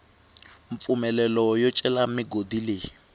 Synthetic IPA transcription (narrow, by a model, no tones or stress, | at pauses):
ɱfumɛlɛlɔjɔt͡ʃʼɛlamiɡodile